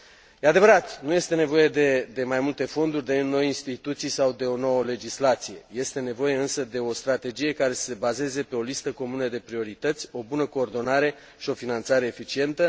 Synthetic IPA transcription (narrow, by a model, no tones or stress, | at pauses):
jead̪e̞vəɾat̪nuje̞st̪e̞ne̞vo̞je̞d̪e̞d̪e̞majmult̪e̞fo̞nd̪urʲd̪e̞no̞jinst̪it̪ut̪sijsawd̪e̞o̞no̞wəle̞d͡ʒislat̪sije̞je̞st̪e̞ne̞vo̞je̞ɨnsəd̪e̞o̞st̪ɾat̪e̞d͡ʒije̞kaɾe̞sə̥se̞baze̞ze̞pe̞o̞list̪əko̞munəd̪e̞pɾio̞ɾit̪ət̪sʲo̞bunəko̞ːrd̪o̞naɾe̞ | ʃio̞finant̪saɾe̞ːfit͡ʃie̞nt̪ə